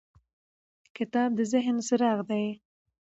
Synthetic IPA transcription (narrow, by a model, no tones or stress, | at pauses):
kɪt̪ɑb̚d̪əzɪɦnsɪɾɑɣd̪aj